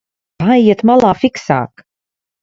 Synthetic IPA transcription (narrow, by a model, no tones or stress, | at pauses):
aiɛt̪malˠaːfiksa̰ːk